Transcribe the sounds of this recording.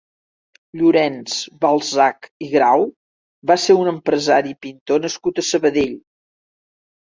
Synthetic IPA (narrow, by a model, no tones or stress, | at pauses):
ʎuɾɛnz̥βalˠzakiɣɾaw | baseunəmpɾəzaɾipint̪onəskut̪əsəβəðeʎ